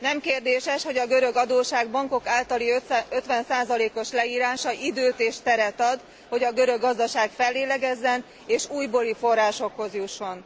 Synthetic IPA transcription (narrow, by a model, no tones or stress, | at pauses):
nɛmkeːrd̪eːʃɛʃho̞ɟɒɡøɾø̞ɡɒd̪oːʃaːɡbɒŋko̞kaːlt̪ɒliøøt̪ʋɛnsaːzɒleːko̞ʃlɛiːɾaːʃɒʔid̪øːt̪eːʃt̪ɛɾɛt̪ɒd̪ | ho̞ɟɒɡøɾøɡːɒzd̪ɒʃaːɡfɛlːeːlɛɡɛzːɛn | eːʃuːjboːlifo̞rːaːʃo̞kho̞zjuʃːo̞n